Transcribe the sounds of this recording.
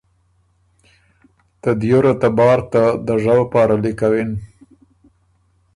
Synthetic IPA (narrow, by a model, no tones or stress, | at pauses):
t̪ad̪joɾat̪abɑɾt̪ad̪əʐawpɑːɾalɪkawɪn